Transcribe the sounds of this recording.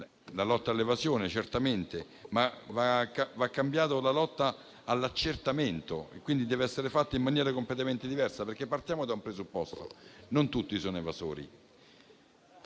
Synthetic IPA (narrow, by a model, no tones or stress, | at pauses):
lalɔt̪ːaːlːevazjoːnet͡ʃert̪ament̪e | mavakavakːambjaːt̪olalɔt̪ːaː | lːat͡ʃːert̪ament̪oḛkːwind̪id̪ɛːveɛsːeɾefat̪ːaimːanjɛːɾakomplet̪ament̪ed̪ivɛrsaperk̟epːart̪jaːmod̪aumpɾezupːɔst̪o̰nont̪ut̪ːisoːnoevazo̰ːɾḭ